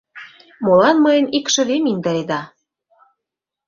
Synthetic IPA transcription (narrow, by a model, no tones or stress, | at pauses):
molɑnmɤjənikʃə̆βemind̪ɑɾed̪ɑ